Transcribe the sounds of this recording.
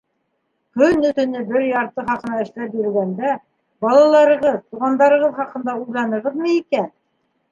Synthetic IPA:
kɵnːɵ̆t̪ɵ̆nɘbɘɾjɑɾt̪ɤχɑqɤ̆nɑɘ̆ʃlæp̚jiɾɘ̆lɡænd̪æ | bɑlˠɑlˠɑɾɤ̆ʁɤðt̪uʁɑnd̪ɑɾɤ̆ʁɤðχɑqɤ̆nd̪ɑujlˠɑnɤ̆ʁɤðmɤikæn

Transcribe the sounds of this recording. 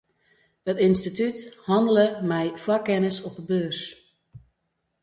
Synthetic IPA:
hətinstitythɑndələmɛjfwakɛnəsɔp̚əbøːrs

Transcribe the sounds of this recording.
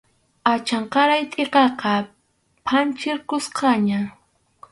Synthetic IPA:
at͡ʃɑɴqɑɾajt̪ʼɪqɑqɑ | pʰant͡ʃɪɾkʊsqɑɲa

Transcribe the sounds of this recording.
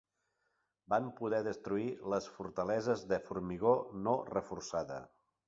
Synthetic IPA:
bampuðɛðəst̪ɾuiləsfuɾt̪əlɛzəzðəfuɾmiɣonorəfursaðə̰

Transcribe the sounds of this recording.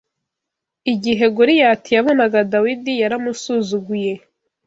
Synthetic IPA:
iɟiɦe̞ɡuɾijatijaβo̞naɡadawidijaɾamusuzuɡuje̞

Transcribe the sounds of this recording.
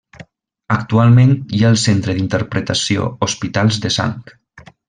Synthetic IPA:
əkt̪ualˠmẽnjaəlˠsent̪ɾəðint̪əɾpɾət̪asio̰ospit̪alˠzðəsa̰ŋk

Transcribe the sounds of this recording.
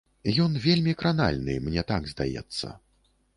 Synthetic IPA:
jɔnvʲelʲmʲikɾana̰lʲnɨ̰mnʲɛt̪aɡzd̪a̰jɛ̰t̪sːɐ̰

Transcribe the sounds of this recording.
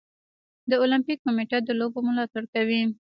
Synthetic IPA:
d̪əolampikːomeʈad̪əlobomʊlɑt̪aɽkawi

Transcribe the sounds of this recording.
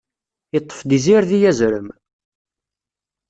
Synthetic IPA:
ət̪ˤːə̥fd̪iziɾðijæzɾəm

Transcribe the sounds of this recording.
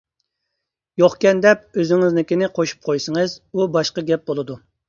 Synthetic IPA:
joχkʲɛnd̪ɛp̚øzɪŋɪznɪkʲinɪqʰoʃu̥p̚qʰojsəŋɨzubɑʃqɑɡʲɛp̚bolˠɨd̪u

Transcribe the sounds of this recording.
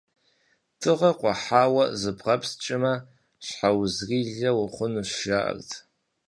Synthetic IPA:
tʰɨʁaqʷʼaħawazɨpʰʁapʰst͡ʃʼɪma | ʃħawzɡʲiɮawaχʷʊnɨʃʒaʔa̰rʼtʰʼ

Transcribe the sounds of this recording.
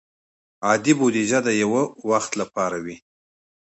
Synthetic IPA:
ɑd̪ibod̪iʒad̪əjawəwaxt̪lapɑɾawi

